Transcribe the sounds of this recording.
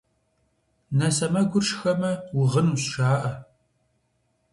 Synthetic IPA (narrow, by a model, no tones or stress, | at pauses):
nɐsɐmɐɡʷʊrʂxɐmɐwʊʁənuːɕʃaːʔɐ